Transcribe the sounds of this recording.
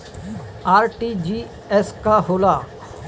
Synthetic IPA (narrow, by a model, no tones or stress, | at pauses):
aːɾʈid͡ʒi | ɛskaɦoːlaː